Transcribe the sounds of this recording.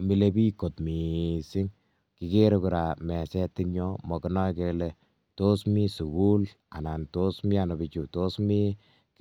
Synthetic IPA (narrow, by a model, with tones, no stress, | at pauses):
mi˨le˦bi˦ko˨tmi˨sɪ˦ŋ | ki˨ke˦ɾeku˨ɾa˨mɛ˨sɛ˦tɪ˦ŋɲjɔ˦mɔ˨kɪnɔ˦jke˦le˨ | to˦smi˦su˨ku˦l | a̰˨na˨nto˦smi˦a˨nɔ˨bi˨t͡ʃu˨to˦smi˦ | k